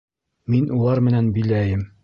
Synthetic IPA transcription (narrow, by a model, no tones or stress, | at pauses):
minʔulˠɑɾmɘ̆nænbilæjɘm